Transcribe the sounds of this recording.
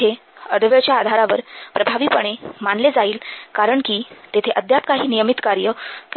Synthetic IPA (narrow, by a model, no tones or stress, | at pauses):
e | əd̪ʋeɭt͡ɕjaːd̪ʱaɾaʋəɾpɾəbʱaʋiːpəɳ̃emanled͡zaiːlkaɾəɳkiːt̪et̪ʰeʔəd̪jap̚kaɦiːnijəmit̪kaɾjək